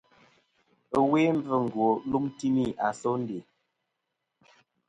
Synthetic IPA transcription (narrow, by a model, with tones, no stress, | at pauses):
we˦m˦b͡və˦˨ŋ̩˨ɡwo˨lu˦mti˦mi˦˨ʔa˨sɔ˦n̩˦de˨